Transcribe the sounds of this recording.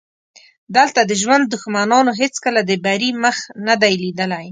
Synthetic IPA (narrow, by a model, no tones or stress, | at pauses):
d̪əlt̪ad̪əʒwand̪ːʊxmanɑnoɦet͡skəlad̪əbaɾiməxnad̪ajlid̪əlaj